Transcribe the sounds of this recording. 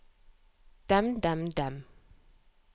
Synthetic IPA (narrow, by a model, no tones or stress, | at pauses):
d̥amdamdam